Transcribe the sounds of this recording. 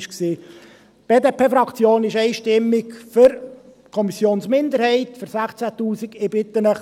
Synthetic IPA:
ʃksiː | b̥eːd̪eːpʰeːfɾɑkt͡sjoːnɪʃɛɪʃtɪmːɪkfʏɾ | kʰɔmisjoːnsmɪnd̪əɾhɛɪtfəɾsæχt͡sæt̪uːsikɪbɪt̪ənəχ

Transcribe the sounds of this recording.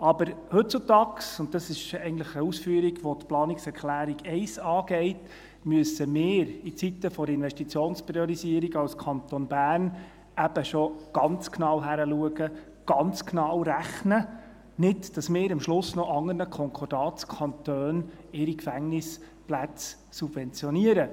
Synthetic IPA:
ɑbəɾhɵt̚t͡sut̪ɑːksʊnt̚dɑsɪʃɛɪɡən̩tləχəusfyəɾiɡʋɔtplɑːniksɛɾklæːɾiɡɛɪsɑːɡɛɪt | myəsəmɪːɾit͡sit̪ːəfɔɾɪnʋɛʃtit͡sjoːnspɾiɔɾisiəɾiɡɑwskʰɑnt̪ɔnb̥æːrn | æb̥əʃɔɡ̥ɑnt͡sknɑwɦæɾəluəɡə | ɡ̥ɑnt͡sknɑwɾæχnə | nɪtd̥ɑsmɪːɾəmʃlʊsnɔʔɑŋːərnəkʰɔŋkʰɔrd̥ɑːtskʰɑnt̪øːn | ɪɾikfæŋnɪs | plæt͡s | sub̥vɛnt͡sjɔniəɾə

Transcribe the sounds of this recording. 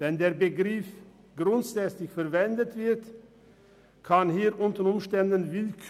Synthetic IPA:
v̥ɛndeːɐbəɡʁɪf | ɡ̥ʁʊntsɛslɪçfɛɐvɛndətv̥ɪɐt | kʰanɦiːʁʔʊntəʊmʃtɛndənvɪlkʰ

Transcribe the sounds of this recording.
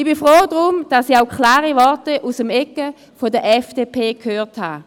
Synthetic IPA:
ɪb̥ifʁoːdʁumd̥asiaʊkʰlaːʁivɔɐtəʔusəmɛkːə | fodəʔɛfd̥epʰeːkʰhøːʁtha̰ː

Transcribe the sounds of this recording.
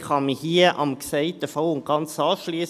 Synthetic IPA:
χɑmihiːəʔɑ̰mksɛɪtəfɔlʊnt̚ɡ̥ɑnt͡sɑːʃliːs

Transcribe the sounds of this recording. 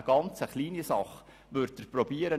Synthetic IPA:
əɡ̥ɑnt͡səχliːnisɑχ | ʋʏɾtəprɔbiːəɾə

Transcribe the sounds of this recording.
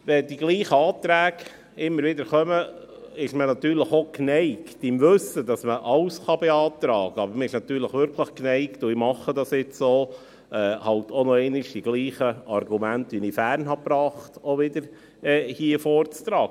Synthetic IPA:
ʋɛdiɡliːχəɑːt̪ɾæːɡ̥ | ɪmːəɾʋɪdəɾχœmə | ɪʃmənɑt̪yːɾləχoknɛɪktɪmʋɵsədɑsməʔɑʊsχɑbɛɑːt̪ɾɑːɡ̥əɑbəɾməɪʃnɑt̪yːɾləχʋʏɾkʰləχknɛɪktʊimɑχːədɑsɪt͡soː | ɛːhɑltʰonɔɛɪnɪʃd̥iɡ̥liːχəʔɑrɡumæntʋinifærnɦɑpɾɑːχtoʋɪdəɾ | ɛːhiəfoːrt͡st̪ɾɑːɡə

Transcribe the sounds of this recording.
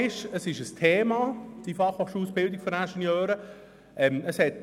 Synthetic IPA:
ɪʃəsɪʃəstʰeːmɑːd̥ifɑχɔχʃuːsb̥ɪldɪkfɔɾænʃɛnjœːɾə | ʔɛməshɛt̚

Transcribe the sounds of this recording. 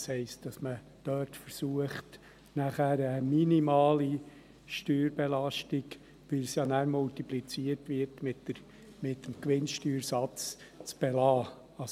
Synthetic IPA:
shɛɪst̚d̥ɑsmə | d̥œːtfəɾsuəχt | næχæɾəminimɑːli | ʃtyːɾbɛlɑʃtɪɡ | ʋɪlsjɑnæːɾmultiplit͡siərtʋɪɾtmɪtə | mɪtəm̩kʋɪnʃtyːɾsɑt͡st͡sb̥ɛlɑː | ɑs

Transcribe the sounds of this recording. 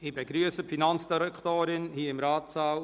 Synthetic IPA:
iːbeɡɾyəsəpfinɑnt͡sd̥iɾɛkt̪oːɾɪnhiːɪmɾɑːtsɑːl

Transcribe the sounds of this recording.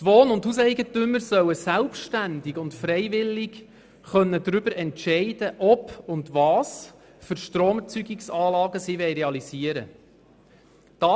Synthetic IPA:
tʋoːnʊnthuːsɛɪɡətʏmːəɾsœwəsælpʃtænd̪ɪɡʊntfɾɛɪʋɪlːɪɡ | χœnːədɾʏb̥əɾʔɛntʃɛɪdəʔɔpʊndʋɑːs | fʏɾʃtɾoːmɛt͡syɡɪksɑːlɑːɡəsiʋɛɪjɾeɑlisiəɾə | d̥ɑ

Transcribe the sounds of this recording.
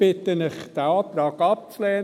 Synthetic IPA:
b̥ɪt̪ənɪχd̥æɑːt̪ɾɑːɡɑp̚t͡slɛː

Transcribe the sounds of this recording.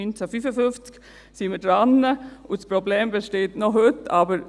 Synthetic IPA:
ynt͡səfyfəfʏft͡sk | sɪnmədɾanːəʊspɾobleːmbeʃteːtnɔɦøtabəɾ

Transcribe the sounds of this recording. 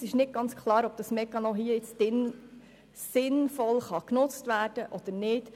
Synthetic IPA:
sɪʃnɪt̚ɡ̥ɑnt͡skʰlˠɑːɾɔb̥̚d̥̪ɑsmɛkːɑnɔɦiːəɪt͡sd̥ɪn | sɪnfɔlχɑknʊt͡stʋæːɾd̥əʔɔd̥̪əɾnɪːd̥

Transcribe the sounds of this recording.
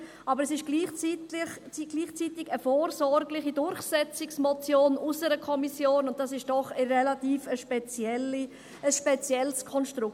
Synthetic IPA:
ʔɑːbəɾɛsɪʃɡ̥liːχt͡sitɪχt͡siɡ̥liːχt͡sitɪɡəfoːɾsɔɾɡlɪχidʊɾχsɛt͡sɪksmɔt͡sjoːnusəɾəkʰɔmisjoːnʊnt̚d̥ɑsɪʃd̥ɔχərɛlatiːfəʃpɛt͡sjɛli | əsʃpɛt͡sjɛlskʰɔnʃtɾʊk

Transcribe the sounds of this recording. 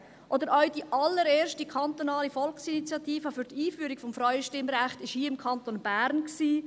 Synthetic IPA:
ʔod̪əɾʔœɥdiʔɑlːəɾeːɾʃtikʰɑnt̪onɑːlifɔlksinit͡sjɑt̪iːfəfyɾtiːfyːɾiɡ̥fɔmfɾaɥəʃtɪmɾæχtɪʃhiːɪmkʰɑnt̪onb̥æːɾnksiː

